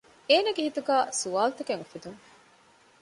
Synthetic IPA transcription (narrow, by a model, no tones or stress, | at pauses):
eːnɐɡehit̪uɡæːsuʋaːlt̪ekeŋufid̪uŋ